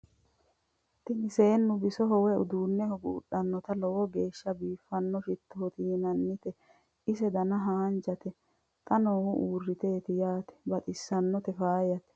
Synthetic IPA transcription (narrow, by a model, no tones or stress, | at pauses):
t̪ɪnɪse̞ːnːʊbɪsɔɦɔwɛʊ̰d̪uːnːɛhɔɡṵːɗɐnːɔt̪ɐlɔwɔɡeːʃːɐbiːfːɐnːɔfɪt̪ːoɔt̪iːnɐnːɪt̪ɛ | ɪs̬ɛd̪ɐnɐɦaːnd͡ʒɐt̪ɛ | t̪ʼɐnoːhʊʔuːrːɪt̪e̞ːt̪ɪjaːt̪ɛ̥bɐt̪ʼɪsːɐnːɔt̪ɛfaːjɐt̪ɛ̥